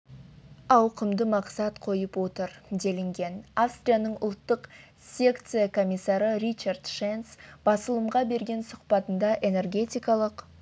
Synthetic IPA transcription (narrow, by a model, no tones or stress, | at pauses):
ɑwqəmd̪əmɑqsɑt̪qʰo̞jəpwo̞t̪əɾd̪e̞lɪŋɡʲe̞nafst̪rʲijanəɴʊlˠt̪ːəq | sʲe̞kt̪sɨjakʰo̞mʲijsːɑɾəɾit͡ʃard̪ʃensb̥ɑsəlˠəmʁɑbe̞ɾɡʲe̞nsʊqpɑt̪ənd̪ɑʔe̞ne̞rɡʲe̞t̪ʲijkɑlˠəq